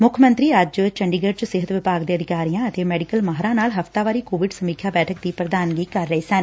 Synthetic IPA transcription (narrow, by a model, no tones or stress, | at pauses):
mʊkʰəmə̃nt̪ɾiːəd͡ʒt͡ʃəɳɖiːɡəɾt͡ʃsɪɦət̪ʋɪpaːɡd̪eːəd̪ɪkaːɾijãːət̪eːmɛːɖɪkəlmaːɦɾãːnaːlɦəft̪aːʋaːɾiːkoːʋɪɖsəmiːkʰjaːbɛːʈʰək̚d̪iːpɾəd̪aːnɡiːkəɾːəiːsən